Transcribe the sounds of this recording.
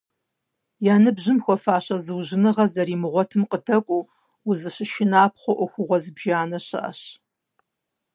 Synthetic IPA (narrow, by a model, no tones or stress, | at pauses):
jaːnɨbʑɪmxʷɔfaːɕɐzɨwʒɪnɨʁɐzɐɾiːmɨʁʷɔtʰɨmqədɐkʷʼuː | uzɨɕɪʃɪnaːpχʷɔʔʷɔxʷʊʁʷɔzɨbʒaːnɐɕɐ̰ʔɐ̰ɕ